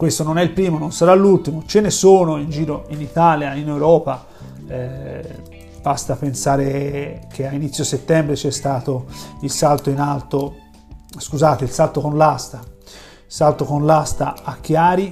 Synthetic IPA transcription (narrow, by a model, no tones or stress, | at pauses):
kwest̪ononɛilpɾiːmononsaɾalːult̪imot͡ʃenesoːnoind͡ʒiːɾoinit̪aːljainewɾɔːpa | b̥ast̪apensaːɾekʰeainit̪sjoset̪ːɛmbɾet͡ʃɛst̪aːt̪oilsalt̪oinalt̪o | skuzaːt̪eilsalt̪okonlast̪a | salt̪okonlast̪aːk̟ːjaːɾi